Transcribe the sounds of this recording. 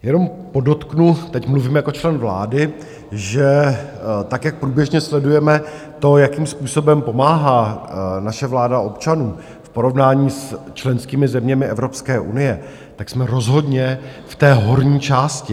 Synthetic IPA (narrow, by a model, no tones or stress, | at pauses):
jɛno̞m | po̞do̞t̪knut̪ɛcmluviːmjako̞t͡ʃlɛnvla̰ːdɪ | ʒɛ | t̪akjak̚pɾuːbjɛʒɲɛslɛdujɛmɛ | t̪o̞jakiːmspuːso̞bɛmpo̞maːɦaːnaʃɛvlaːdaʔo̞pt͡ʃanuː | fpo̞ɾo̞vnaːɲiːst͡ʃlɛnskiːmɪzɛmɲɛmɪɛvɾo̞pskɛːʔṵnɪjɛ | t̪aksmɛɾo̞zɦo̞dɲɛft̪ɛːɦo̞ɾɲiːt͡ʃaːscɪ